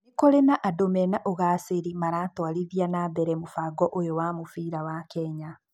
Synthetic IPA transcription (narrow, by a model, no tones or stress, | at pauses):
nekoɾenaʔadomɛnaʔoɣaːseɾimaɾaːtwaɾiðianaːbɛɾɛmofaɡɔʔojowamofiːɾawakɛɲa